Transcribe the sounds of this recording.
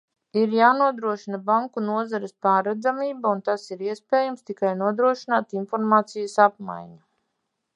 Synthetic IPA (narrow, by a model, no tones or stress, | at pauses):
iɾjaːnuɔd̪ɾuɔʃinabaŋkunuɔzaɾɪspaːɾad̪zamiːbaunt̪asiɾiɛspeːjamst̪ikajnuɔd̪ɾuɔʃinaːt̪infɔɾmaːt̪sijəsap̚ma̰jɲa